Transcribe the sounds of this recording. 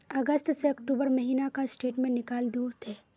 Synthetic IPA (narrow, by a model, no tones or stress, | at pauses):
ɐɡəst̪seɐkʈuːbəɾmɐɦiːnakasʈeːʈmẽnɪkaːld̪uːɾt̪ʰeː